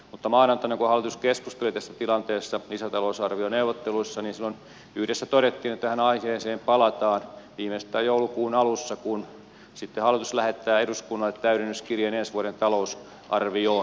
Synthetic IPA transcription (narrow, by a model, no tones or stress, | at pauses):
mut̪ːɑmɑːnɑnt̪ɑneŋkohɑlːˑit̪uskeskust̪elit̪æsːæt̪ilɑnt̪eːsːɑlisæt̪ɑlousɑrʋioneuʋˑot̪ːeluisːɑniːnsilːon | yhɾesːæt̪oɾet̪ːiːnet̪ːææhænɑiheːseːmpɑlɑt̪ɑːnʋiːmest̪ːˑæːjjoulukuːnɑlusːɑkun | sit̪ːehɑlːˑit̪uslæhet̪ːæːeɾuskunːɑlːˑet̪t̪æyɾenːyskirjenensʋuoɾent̪ɑlous | ʔɑrʋioː